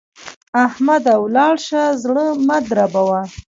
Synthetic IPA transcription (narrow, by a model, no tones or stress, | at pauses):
ahmad̪awlɑɽʃazɽəmad̪ɾabawa